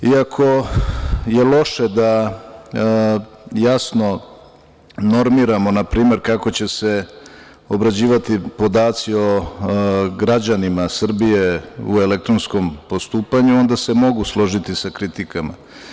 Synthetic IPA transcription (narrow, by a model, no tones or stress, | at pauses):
iakʰo̞ | je̞lo̞ʃe̞d̪a | jasno̞ | no̞ɾmiɾamo̞napɾiːme̞ɾkako̞t͡ɕe̞se̞ | o̞bɾad͡ʑiːʋat̪ipo̞d̪aːt̪sio̞ | ɡɾad͡ʑanimasr̩bije̞ue̞lek̚t̪ɾo̞nsko̞mpo̞st̪uːpaɲuo̞nd̪ase̞mo̞ɡuslˠo̞ʒit̪isakɾit̪ikama̰